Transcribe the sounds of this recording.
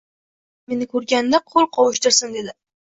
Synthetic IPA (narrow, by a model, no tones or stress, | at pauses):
me̞nɪkʰɵɾɡʲand̪aqʰolˠqʰɒwɪʃt̪ɪɾsɪnd̪e̞d̪ɪ